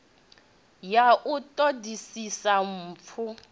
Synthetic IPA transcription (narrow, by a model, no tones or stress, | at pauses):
jaʔʊtʼodisisam̩ːp̪fʰu